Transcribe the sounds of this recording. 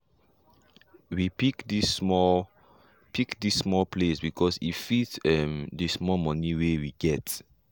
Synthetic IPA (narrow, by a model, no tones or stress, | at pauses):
wipikdismɔ | pʰikdisːmɔlpʰlesbikʰɔsḭtfitɛmdəsmɔmɔniwewiɡɛt